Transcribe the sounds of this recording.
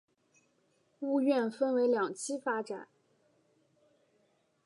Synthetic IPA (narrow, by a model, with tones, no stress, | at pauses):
u˥˧ɥɛ˥˧nfə˥˧nwe˧˥ɪljɑ˨˩ŋt͡ɕʰi˥fa˥ʈ͡ʂa̰˨˩˦n